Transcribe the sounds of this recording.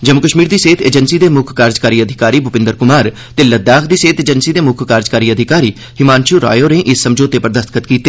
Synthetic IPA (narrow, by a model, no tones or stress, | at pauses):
d͡ʒəmʊkəʃmiːɾd̪iːseːt̪ʰeːd͡ʒənsiːd̪eːmʊkʰkaːɾd͡ʒkaːɾiːəd̪ʱɪkaːɾiːbʱʊpɪ̃nd̪əɾkʊmaːɾ | t̪eːləd̪aːkʰd̪iːseːt̪eːd͡ʒənsiːd̪eːmʊkʰkaːɾd͡ʒkaːɾiːəd̪ʱɪkaːɾiː | hɪmaːnʃuːɾa̰ːjoːnẽːʔɪsːəmd͡ʒoːt̪eːpəɾd̪əst̪kʰət̪kiːt̪eː